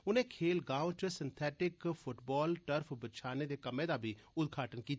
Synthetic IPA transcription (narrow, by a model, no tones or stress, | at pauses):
ʊnẽːkʰeːlɡãːot͡ʃəsɪnt̪ʰɛːʈɪkpʰʊʈbɔːlʈəɾpʰbət͡ʃʰaːneːd̪eːkəmẽːd̪aːbʱiː | ʊd̪ɡʱaːʈənkiːt̪